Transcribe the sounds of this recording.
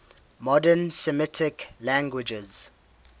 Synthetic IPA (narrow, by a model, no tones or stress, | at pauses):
mɔdənsɛmɪtʰɪklãŋɡwɪd͡ʒɛz̥